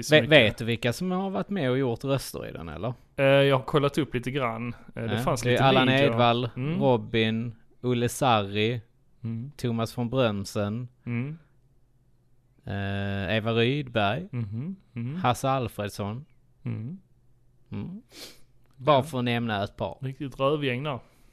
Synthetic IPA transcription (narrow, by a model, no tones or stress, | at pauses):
veveːt̪d̪ɵvɪlkːasɔmhaɾvaʈt̪ːmɛɔjʊɾt̪ɾœst̪ə̰ɾɪ̰d̪ɛ̰nɛ̰lːəɾ | jɑːɡhaɾkʰɔlːat̪ɵpːliːt̪əɡɾanːd̪ɛfanslialːaneːd̪valɾɔbːɪn | ɵlːəsaɾːɪ | t̪ʰʊmasfɔnbɾœnsən | eːvaɾyːd̪bæɾj | hasaalfɾeːd̪sɔn | bɑfœɾɛnɛmnəɛt̪̚pʰɑ̰ːɾɾɪkt̪ɪt̪ɾœːvjɛŋd̪æɾ